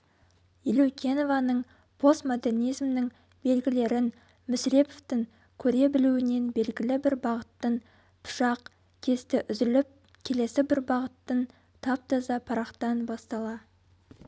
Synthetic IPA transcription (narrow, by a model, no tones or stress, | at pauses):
ilokʲʰenovɑnəɴ | pʰo̞st̪mod̪e̞rnijzmnɪŋ | b̥e̞lɡʲɪle̞ɾɪn | mʏsɾe̞poft̪ɪŋ | kʲʰɵɾe̞bɪluɪne̞nbe̞lɡʲɪlɪbɪɾbɑʁət̪ːən | pʰʊ̥ʃɑq | kʲʰe̞st̪ɪʔʏzɪlɪp̚ | kʲʰe̞le̞sɪbɪɾbɑʁət̪ːən | t̪ʰɑp̚t̪ɑzɑpʰɑɾɑqt̪ɑnbɑst̪ɑlˠɑ